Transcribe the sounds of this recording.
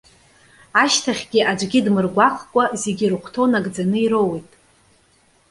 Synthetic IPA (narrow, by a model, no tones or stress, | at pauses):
aʃtʰaχʲɡʲiʔad͡ʒʷʼɡʲidmɨrɡʷaχkʷʼazeɡʲirɨχʷʰtʰonaɡd͡zanɨiɾowejtʼ